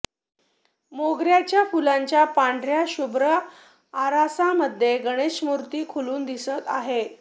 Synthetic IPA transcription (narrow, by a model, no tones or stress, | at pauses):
moɡɾjat͡ɕjafulaɲt͡ɕjapaɳɖɾjaɕubʱɾə | aɾasaməd̪ʱːjeɡəɽ̃eɕmuɾt̪iːkʰuluːnd̪isət̪aɦe